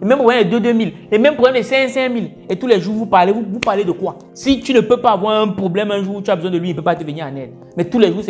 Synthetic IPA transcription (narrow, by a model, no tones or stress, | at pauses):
lemɛmpled̪ed̪emil | lemɛmplɛmlesɛ̃sɛ̃mil | et̪ulɛʒuvupaleuvupaled̪ekwa | sit̪ynepepavwaɛ̃pʁoblɛmɛ̃ʒuvut̪abezw̃ɛ̃d̪əwinepepat̪eveɲɛ̃anɛl | mɛt̪ulɛʒuse